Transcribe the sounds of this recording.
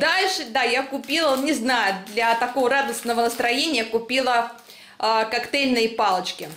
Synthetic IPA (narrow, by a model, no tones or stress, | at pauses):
d̪alʲʂɨd̪ajakʊpʲilˠənʲɪznajʊd̪lʲɐt̪ɐko̞vəɾad̪əsnəvənəst̪ɾɐjenʲɪjəkʊpʲilˠə | əkakt̪elʲnɨjəpalˠət͡ɕkʲɪ